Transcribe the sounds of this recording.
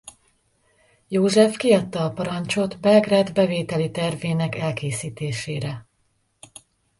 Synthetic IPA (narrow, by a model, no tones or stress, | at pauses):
joːʒɛfkiɒt̪ːɒːpɒɾɒnt͡ʃo̞t̪bɛlɡrad̪bɛveːt̪ɛlit̪ɛrveːnɛkɛlkeːsiːt̪eːʃeːɾɛ